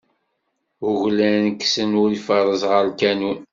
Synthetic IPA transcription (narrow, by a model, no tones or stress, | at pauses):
ʊʝlænəkːsənʊɾifəɾˤəzʁəɾlkænun